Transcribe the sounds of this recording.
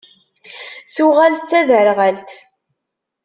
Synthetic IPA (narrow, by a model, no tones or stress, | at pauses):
suʁalt͡sːæðəɾʁəlt̪